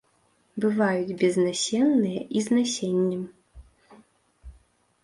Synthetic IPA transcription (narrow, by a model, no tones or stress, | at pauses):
bɨvajud͡zʲbʲɛznasʲɛnːɨjɐʔiznasʲenʲːɛm